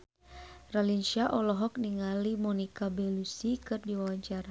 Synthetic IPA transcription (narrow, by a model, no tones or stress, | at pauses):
ralinʃiaʔɔlɔɦɔk̚niŋalimɔnikabɛlusikɨrdiwawat͡ʃaɾa